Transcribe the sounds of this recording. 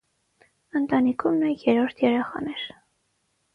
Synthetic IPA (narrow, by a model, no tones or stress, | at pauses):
ənt̪ɑnikʰumnɛjɛɾɔɾt̪ʰjɛɾɛχɑ̰nɛɾ